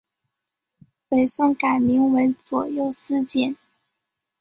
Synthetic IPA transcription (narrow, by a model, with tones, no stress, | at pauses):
we˨˩ɪsʊ˥˩ŋka˨˩ɪmi˧˥ŋwə˧˥ɪt͡swɔ˨˩jo˥˩ʊsɹ̩˥t͡ɕjɛ˨˩˦n